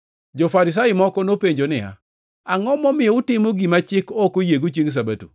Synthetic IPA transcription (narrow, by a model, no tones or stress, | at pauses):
d͡ʒofaɾɪs̬ajɪmɔkɔnopeɲd͡ʒonɪja̰ | aŋɔmɔmɪɔʊtɪmoɡimat͡ʃɪkɔkojeɡot͡ʃiŋs̬abatṵ